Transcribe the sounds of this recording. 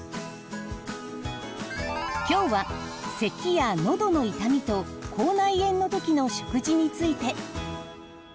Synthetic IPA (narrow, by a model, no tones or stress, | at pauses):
kʲo̞ːβa | se̞kʲijano̞d̪o̞no̞it̪amʲit̪o̞kʰo̞ːnaiẽ̞nːo̞t̪o̞kʲino̞ɕo̥kɯ̟ʑiɲ̟it͡sɨit̪e̞